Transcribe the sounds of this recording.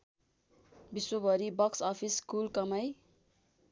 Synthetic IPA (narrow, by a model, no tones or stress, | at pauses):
biswʌbʌɾibʌksʌpʰiskulkʌmʌj